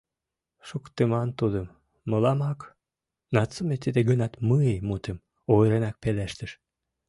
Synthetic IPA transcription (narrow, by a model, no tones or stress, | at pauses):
ʃukt̪emɑnt̪ud̪əmː | əlɑmɑk | nɑt͡sːəmet̪id̪eɡənɑt̪məemut̪em | ojɾenɑk̚pelæʃt̪əʃ